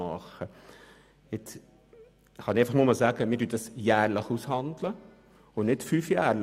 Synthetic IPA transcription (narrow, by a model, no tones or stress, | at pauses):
ɑχə | ɪt͡s | χɑnɪeɪfɑχnmoːmɑlsæːɡəmiːɾdyːəd̥ɑsjæːɾləχushɑndlə | ʊnɪtfyːfjæːɾl